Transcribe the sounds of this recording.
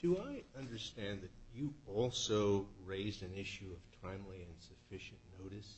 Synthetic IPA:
d̥ɨaɪʌ̃ndə˞stæ̃nðɨt͡ʃɨɔlˠsoʊɹeɪzdɨ̃nɪʃʉʌv̥tʰãɪ̃mliɨ̃nsɨfɪʃɨ̃nːoʊɾɨs

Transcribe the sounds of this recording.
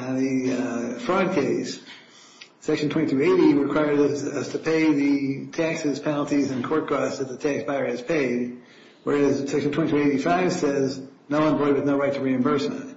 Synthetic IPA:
ɨ̃nðɨfɹɔd̚kʰeɪs | sɛkʃn̩tʰwɛ̃tʰʉeɪɾiɹɨkʰw̥aɪə˞ɾʌz̥tʰɨpʰeɪðɨtʰæksɨz̥pʰɛnl̩ˠtizɨ̃nkʰɔɹt̚ɡ̥ɹɑsðɨt̪̚ðɨtʰæksb̥aɪə˞ɨz̥pʰeɪd̚ | wə˞æz̥sɛkʃntʰwɛ̃titʉeɪɾifaɪv̥sɛznoʊwə̃nbɔɪd̚wɨðnoʊɹaɪtʰəɹiɨ̃ɱvɜ˞smɨ̰̃t̚

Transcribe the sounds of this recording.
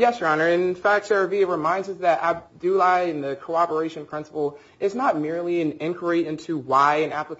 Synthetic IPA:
jɛsɹɑnə˞ɨ̃nfæk̚tsɛ˞viɨɹɨmãɪ̃ndzʌsðɨɾæb̚dʉlaɪɨ̃nðɨkʰoʊɑpə˞eɪʃɨ̃npʰɹ̥ɪ̃nsə̥pl̩ˠ | ɨznət̚mɪɹlˠiɨ̃nɪ̃nkʰwə˞iɪ̃ntʰʉwaɪɨ̃næplək

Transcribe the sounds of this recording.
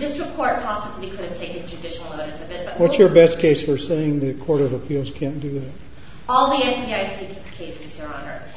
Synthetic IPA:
dɪsɹɨpʰɔɹt̚pʰɑsəblikʰʊɾɨv̥tʰeɪkɨ̃nd͡ʒɨdɪʃl̩ˠnoʊɾɨsɨvɪt̚b̥ʌt̚wʌsjə˞bɛstkʰeɪsfə˞seɪɪ̃ŋðɨkʰɔɹɾʌvəpʰilˠz̥kʰæ̃nd̥ɨðæt̚ | ɔlˠðiɛfbiaɪsikŋkʰeɪsɨz̥hiɹə̃nə̰˞

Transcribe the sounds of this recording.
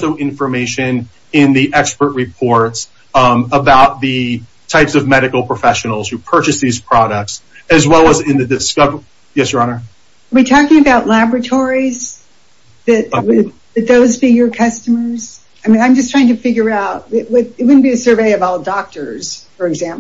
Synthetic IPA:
soʊʔɪ̃ɱfə˞meɪʃɨ̃n | ɪ̃nðiʔɛkspə˞ʔ̚ɹɨpʰɔɹts | əbaʊt̪̚ðɨ | tʰaɪpsʌvmɛɾɨkl̩ˠpʰɹ̥əfɛʃɨnl̩ˠz̥hʉpʰɜ˞t͡ʃɨsðiz̥pʰɹ̥ɑɾək̚tsɨzwɛlˠəzɪ̃nðɨdɨskʌv | jɛsjə˞ɑnə˞ | witʰɔkɪ̃ŋɨbaʊtˡlæbɹɨtʰɔɹiz | ðɨt̚ɪ | ðɨt̪̚ðoʊzbijə˞kʰʌstɨmə˞z̥ | aɪmĩnãɪ̃md͡ʒʌstʰɹ̥aɪɪ̃ŋtʰɨfɪɡjə˞aʊt̚ɪwɪðɨt̚wʊdⁿn̩b̥iɨsɜ˞veɪʌvɔlˠdɑk̚tə˞z̥fə˞ɨɡzæ̃mp

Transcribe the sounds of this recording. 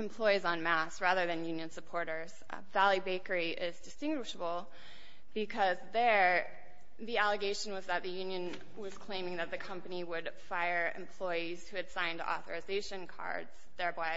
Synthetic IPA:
ɨ̃mpʰl̥ɔɪzn̩mæsɹæðə˞ðɨ̃njʉ̃njɨ̃nsəpʰɔɹɾə˞z̥ | vælˠibeɪkə˞iʔɪzdɨstɪ̃ŋɡwəʃəbl̩ˠ | b̥ɨkʰʌzðə˞ | ðiælˠəɡeɪʃɨ̃n̩wʌzðɨt̪̚ðɨjʉ̃njɨ̃n | wʌz̥kʰl̥ẽɪ̃mɪ̃ŋðɨt̪̚ðɨkʰʌ̃mpɨniwəd | faɪə˞ɨ̰̃mpʰl̥ɔɪiz̥hʉɨd̥sãɪ̃ntʰəʔɔ̰θə̰˞ɨzeɪʃɨ̃nkʰɑ̰ɹdz̥ | ðɛ˞baɪ

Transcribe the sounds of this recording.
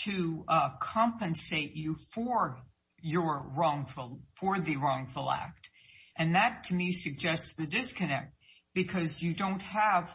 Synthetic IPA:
tʰɨkʰɑ̃mpɨ̃nseɪt͡ʃɨfə˞ | jə˞ɹɔ̃ŋfl̩ˠfə˞ðɨɹɔ̃ŋfəl̩ˠæ̰k̚t | ʔɨ̃nðɨtʰɨmisɨɡ̚d͡ʒɛstsðɨdɪskɨnɛ̰k̚t̚ | b̥ɨkʰʌzjɨdõʊ̃nt̚həv̥

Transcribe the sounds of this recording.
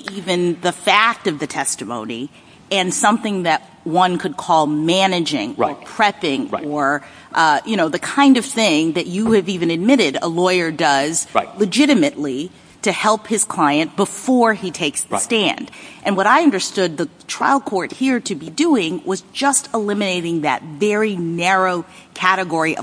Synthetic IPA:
ivɨ̃nðəfæk̚tʌvðɨtʰɛstɨmõ̰ʊ̃nḭ | ɨ̃nsʌ̃mθɪ̃ŋðɨt̚ | wʌ̃nkʰɨd̚kʰɔlˠmænɨd͡ʒɪ̰̃ŋə̰˞pʰɹ̥ɛpɪ̃ŋə˞ | ʔʌjʔɨñoʊðɨkʰãɪ̃ndʌv̥θɪ̃ŋðɨt͡ʃɨːvivɨ̃nɨd̚mɪɾɪɾə̰lɔɪə˞dʌz̥alɨd͡ʒɪɾɨmɨʔˡli | ɾɨhɛlˠphɨz̥kʰl̥aɪɨ̃nb̥əfɔɹitʰeɪksðɨstæ̃nd̥ʔɨ̃nwʌɾaɪʌ̃ndə˞stʊd̪̚ðətʰɹ̥a̰ɪlˠd̚kʰɔɹt̚hiɹɾɨbiduɪ̃ŋwʌzd͡ʒʌstʰəlɪ̃mɨneɪɾɪ̃ŋðɨ̰tvɛɹinɛɹoʊkʰæɾɨɡɔɹiʔʌ̰

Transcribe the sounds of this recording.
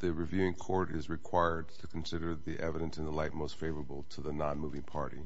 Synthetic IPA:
ðɨɹivjʉɪ̃ŋkʰɔɹɾɪzɹɨkʰw̥aɪə˞d̚tʰɨkʰn̩sɪɾə˞ðiʔɛvɨɾɨ̃nsɨ̃nðəlaɪt̚moʊstfeɪvə˞əbl̩ˠtʰəðənɑ̃nmuvɪ̃ŋpʰɑɹɾḭ

